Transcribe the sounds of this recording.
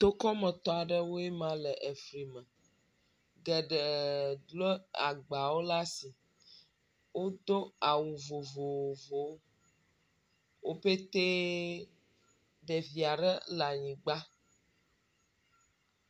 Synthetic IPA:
t̪o˦kɔ˦mɛ̃˨t̪ɔ˦a˨ɖɛ˦wo˦e˦mã˦lɛ˨ʔe˨fɾi˨mɛ̃˨ | ɡɛ˨ɖɛ˨dle˦a˨ɡ͡ba˨wo˦la˦si˨ | wo˦d̪o˦a˨wu˨vo˨vo˨wvo˨w | wʔo˦ɸe˦t̪e˦ | ɖɛ˨vi˨a˨ɖɛ˦la˨ɲĩ˨ɡ͡ba˦

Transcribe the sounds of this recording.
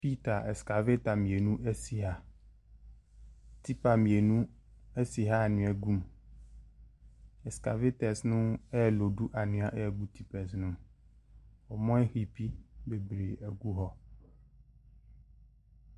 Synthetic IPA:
pi˦t̪a˨ʔɛ˨ska˨ve˦t̪a˨mĩ˨e˨nũ˦ʔe˦si˨ɦa˦ | t̪i˦pa˨mĩ˨e˨nũ˦ | e˦si˨ɦa˦˨nũ˨ɛ˨ɡu˦m | ɛ˨ska˨ve˦t̪ɛ˨snũ˦ɛ˦˨lo˨ɖu˦ʔa˨nũ˨˦a˨ʔɛ˦ɛ˨ɡu˦t̪ʰi˦pɛ˨snũ˦m | wo˨mɔ̃˦ɛ˦xi˨pi˦be˨bɾe˨e˨ɡu˦ɦɔ˦

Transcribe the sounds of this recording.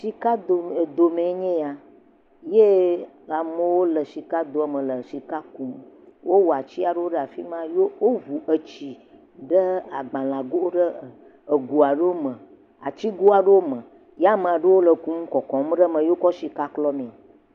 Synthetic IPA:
si˨ka˦do˨d̪o˨mẽ˨˦ɲẽ˦ja˨ | je˦ | a˨mə̃˨wo˦lə˨si˨ka˦d̪o˨a˦˨mə̃˨lə˨si˨ka˦ku˦m˦wʔo˦wo˨a˨t͡ɕi˦a˨ɖə˦wo˦ɖə˦a˨fḭ˦mã˦jo˦wo˦vu˨ʔə˨t͡ɕi˨ | ɖə˦a˨ɡ͡bã˨lã˨ɡo˦wo˦ɖə˦ | ə˨ɡu˨a˨ɖə˦wo˦mə˨ | a̰˨t͡ɕi˦ɡo˦a˨ɖə˦wo˦mə̃˨ | ja˦mə̃˨a˨ɖə˦wo˦lə˨ku˦m̩˦kɔ˨kɔ̃˨˦m˦ɖə˦mə̃˨jo˦kɔ˦ʃi˨ka˦klɔ˦mẽ˨

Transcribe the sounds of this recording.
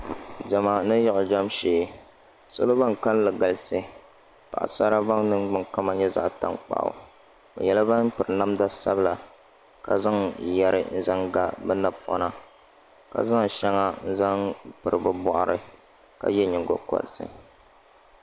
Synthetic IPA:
da˨ma˨nɨ˦jɛ˦ʔʊ˨d͡ʒa˦mʃeː˨ | so˦lo˦ba˦ŋ˨ka˦llɨ˨ɡa˨lsɨ˦ | pa̰˨ʔa̰˨sa˦ɾa˦ba˦ŋnɨ˦ŋɡ͡bɨ˨ŋka˦ma˦ɲɛ˦za̰˦ʔta̰˦ŋk͡pa̰˨ʔʊ̰˨ | bɨ̰˨jɛ˨la˦ba˦n˦pɨ˨ɾɨ˨na˦mda˦sa˦bɨ˦˨la˨ | ka˨za˦ŋ˨jɛ˦ɾɨ̰˦n̩˦za˦ŋɡa˦bɛ˦na˦bpɔ̰˦na˦ | ka̰˨za˦ŋʃɛ˦ŋa˦n̩˦za˦ŋpɨ˨ɾɨ˨bɨ˦bɔ˦ʔa˨ɾɨ˦ | ka̰˨jɛ˦ɲɪ˨ŋɡo̰˨kɔ̰˨ɾɨ˨sɨ̰˦

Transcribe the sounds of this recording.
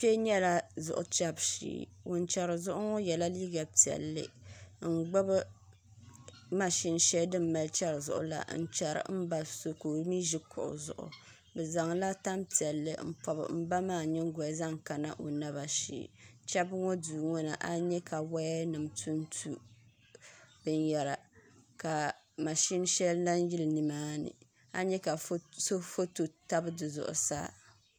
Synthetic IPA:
pe˦ɲɛ˦la˦zʊ̰˨ʔʊ˨t͡ʃɛ˦bʃḭː˨ | wo˨nt͡ʃɛ˨ɾɨ˨zʊ˦ʔʊ˦ŋɔ˦jɛ˨la˦liː˦ɡa˨pi˨ɛ̰˨lːɨ̰˦ŋ̩˦˨ɡ͡ba˦bɨ˦ | ma˦ʃi˦n˦ʃɛ˦dɨ˦mː˦a˨lt͡ʃɛ˦ɾɨ˨zʊ̰˨ʔʊ̰˨˦la̰˨n̩˦t͡ʃɛ˨ɾɨ̰˨m̩˦ba˦so˦ko˨˦mi˦ʒi˦kʰʊ̰˨ʔʊ̰˨zʊ̰˨ʔʊ̰˨ | bɛ˨za˨ŋla˦ta˦mpi˨ɛ˨lːɨ̰˨m̩˦pɔ˨bɨ̰˨m̩˦ba˦maː˦˨ɲɪ˦ŋ˦ɡɔ˨za˦ŋka˨na̰˦˨ʔo˨na˦ba˨ʃḭː˦˨t͡ʃɛ˦bŋɔ˦duː˨ŋɔ˦na˨ʔa˦ɲɛ˦ka˨wa˦nɨ˨mtʰu˦n˦tʰu˦ | b̥ɨ˦njɛ˨ɾa˨ka˨ | ma˨ʃi˦n˦ʃɛ˦lla˦n˦ji˦lnɨ˨maː˦nɨ̰˨ | a˦ɲɛ˦ka˨˦so˦fo˦to˨ta˦bɨ˦dɨ˨zʊ̰˨ʔʊ̰˨sa̰ː˦

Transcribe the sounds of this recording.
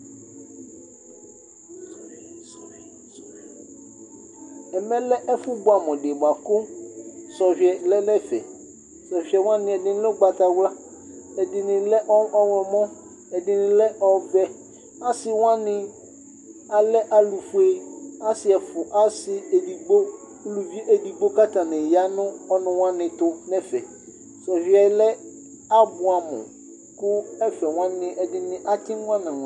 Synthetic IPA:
ɛ˨mɛ̃˦lɛ˦ʔɛ˦fu˦bo˦a˨mɔ̃˨ɖe˨ba˨kʊ˦sɔ˨vi˨ɛ˨lɛ˦lɛ˦fɛ̰˨ | sɔ˨vi˨˦ɛ˨w̃ã˦nɪ̃˨ɛ˨dɪ˨nɪ̃˦lɛ˦o˦ɡ͡ba˨t̪a˨wla˦ | ɛ˨dɪ˨nɪ̃˨lɛ˦ʔɔ˦ɔ˦wɔ˨mɔ̃˦ | ɛ˨dɪ˨nɪ̃˨lɛ˦ʔɔ˦vɛ˦ | a˦sɪ˨wã˦nɪ̃˦ | a˨lɛ˦ʔa˨lu˨fʊ˦e˦a˦sɪ˨ɛ˨fʊ˨ʔa˦sɪ˦ɛ˨di˨ɡ͡bo˦ | lu˨vi˦e˦ʔɛ˨di˨ɡ͡bo˦ka˦tã˨nɪ̃˨ja˦nʊ̃˦ɔ˦nʊ̃˨wã˦nɪ̃˨tʊ˦nɛ˦fɛ˨ | sɛ˨vi˦ɛ˨˦lɛ˦ | a˦bʊ˨a˨mʊ̰̃˨ | kʊ˦ɛ˦fɛ˨wã˦nɪ̃˨ʔɛ˨dɪ˨nɪ̃˨ʔa˦tʰɪ̃˦n˦wã˦nã˨

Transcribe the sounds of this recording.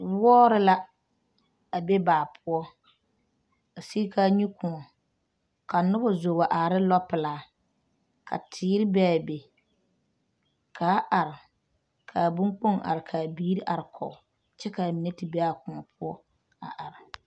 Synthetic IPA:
wɔː˦ɾɪ˦la˦ | a˨be˦baː˨pʰʊ˦ɔ˦ | a˨si˦ka˦ɲu˦kʊ˨ŋɔ˨ | ka˨nʊ˦bɔ˦zo˨ba˨ʔa˨ɾɪ˦lɔ˦pɪ˨laː˨˦ | kʰa̰˨tʰɪː˨˦ɾɪ˦bɛ˦a˨be˨ | kʰaː˨˦ʔa˨ɾɪ˨ | kʰa˨bũ˦ŋk͡po˦ŋʔa̰˨ɾɪ˨kʰaː˨biː˦ɾi˦ʔa˨ɾɪ˨kʰɔ̰˨ | t͡ʃɛ˦ka˨mi˨ne˦tɪ˨bɛ˦a˨kʊ˨ŋɔ˨pʰʊ˦ɔ˦ | a̰˨ʔa˨ɾɪ˨

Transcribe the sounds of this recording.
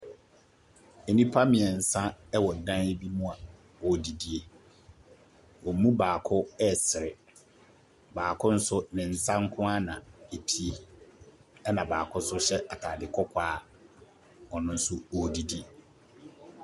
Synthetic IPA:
e˨nĩ˦pʰa˦mɪ̃˨ɛ˨n̩˨sã˦ɛ˦wɔ˨dã˦ne˦bi˦mũ˦a˨ | ɔ˨di˨di˨e˨ | wɔ˨mũ˦baː˨kʰʊ˦ɛ˦˨sɪ˨ɾɪ˨ | baː˨kʰʊ̃˦n̩˦sʊ˦nɪ̃˨n̩˨sã˦ŋ̩˦kʰʊ̃˦a˦nã˨e˨pʰi˨˦e˨ | ɛ˦nã˨baː˨kʰʊ˦sʊ˦ɕɛ˦ʔa˨tʰaː˨dɪ˨kʰɔ˦kʰʷaː˦ | ɔ˨nʊ̃˦n̩˦sʊ˦ɔ˨di˨di˨˦e˨

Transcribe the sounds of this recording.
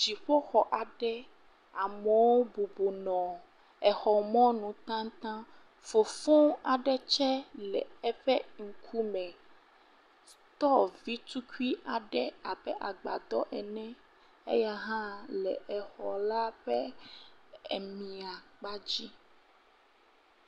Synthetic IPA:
d͡ʒi˨ɸo˦xɔ˨ʔa˨ɖɛ˦ | a˨me˨wo˦bu˨bo˨nɔ̃˨ | ɛ˨xɔ˨mɔ̃˦nũ˨t̪ã˦ŋ˦t̪ã˦ | fo˨fõ˦a˨ɖɛ˦t͡ʃɛ˦lɛ˨ɛ˦ɸɛ˦ŋ̩˨kʰu˦mɛ̃˨ | t̪ɔ˦vi˦t̪u˦ki˦ʔa˨ɖɛ˦a˨bɛ˦ʔa˨ɡ͡ba̰˨d̪ɔ̰˦ʔɛ˨nɛ̃˦ | ḛ˦ja˦ɦã˦lɛ˨ʔɛ˨xɔ˨la˦ɸɛ˦ | ɛ˨mĩ˨a˨k͡pa˦d͡ʑi˦

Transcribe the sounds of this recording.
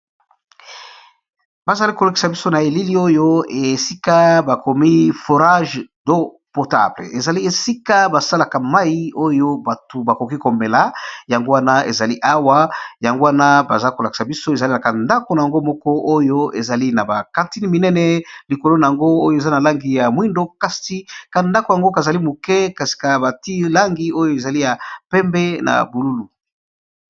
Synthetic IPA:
ba˨za˨li˦ko˨la˨ki̥˨sa˨bi˦so˦na˨e˨li˦li˦o˦jo˦e˨si˦ka˦ba˨ko˨mi˦fo˨ʁa˦ʒdo˦ | po˨ta̰˨bl̰e˨za˨li˦e˨si˦ka˦ba˨sa˦la˨ka˨ma˦ji˦o˦jo˦ba˨to˨ba˨ko˨ki˦ko˨mbe˨la˨ja˨ŋɡo˦wa˦na˦ḛ˨za˨li˦ʔa˦wa˦ja˨ŋɡo˦wa˦na˦ba˨za˦ko˨la˨ki̥˨sa˨bi˦so˦e˨za˨li˦a˨ka˨nda˦ko˨na˨ja˨ŋɡo˦mɔ˦kɔ˦ʔo˦jo˦ḛ˨za˨li˦na˨ba˨kã˨nti˦ni˨mi˨nɛ˦nɛ˨li˨ko˨lo˦na˨ja˨ŋɡo˦o˦jo˦e˨za˦na˨la˦ŋɡi˨ja˨mwi˦ndo˦ka˦sti˦ka˨nda˦ko˨ja˨ŋɡo˦ka˨za˨li˦mu˨kɛ˦ka˨si̥˨ka˨ba˨ti˦la˦ŋɡi˨o˦jo˦e˨za˨li˦ja˨pɛ˦mbɛ˦na̰˨bu˨lu˦lu˨

